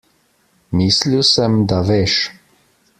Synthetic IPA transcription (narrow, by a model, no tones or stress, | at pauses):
miːsliwsɛmd̪aʋeːʃ